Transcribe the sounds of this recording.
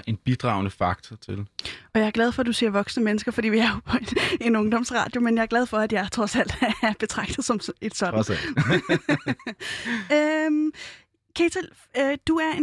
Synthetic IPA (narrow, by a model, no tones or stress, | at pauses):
ʔe̝nb̥id̥ʁɑ̰̈ʊnəfɑ̈ɡ̥̚t͡sʰɐt͡sʰe̝lɒjɑ̈ɪɐɡ̥læð̞ˠfɒæd̥use̝ɐ̰ʋɒ̽ɡ̥snəmenəsɡ̥ɐfɒ̽d̥ḭːʋiæɐpʰɒ̽ene̝nɔ̽ŋd̥ɒ̽m̰sʁɑ̰̈ːd̥jo̝menjɑ̈ɐɡ̥læð̞ˠfɒ̽æd̥jɑ̈ɪt͡sʰʁɒ̽sæl̰d̥ææɐb̥e̝t͡sʰʁɑ̈ɡ̥̚d̥ð̩ˠsɒ̽me̝d̥sɒ̽d̥n | øm | kʰet͡sʰel | ød̥uæɐe